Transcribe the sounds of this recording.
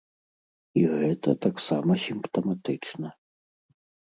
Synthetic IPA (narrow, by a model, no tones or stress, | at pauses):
iɣɛt̪ɐt̪aksamɐsʲimpt̪ɐmat̪ɨt͡ʂnɐ